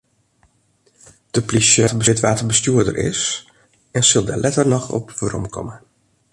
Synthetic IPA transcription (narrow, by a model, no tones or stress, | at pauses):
d̥əplisətəbəɪtʋaːtəbəstjuədə̰rʔɪ̰s | ɛnsɵlˠdɛ̰lʔɛtərnɔxɔ̰pʋəɾɔ̰mkʰɔ̰mə